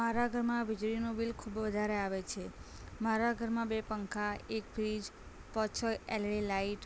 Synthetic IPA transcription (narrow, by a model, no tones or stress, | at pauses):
maɾaɡʱəɾmãʋid͡ʒɾinobilkʰubʋəd̪ʱaɾeaʋet͡ʃʰe | maɾaɡʱəɾmãbepəŋkʰaek̚fɾid͡ʒ | pɔt͡ʃʰəɛlɭilaiʈ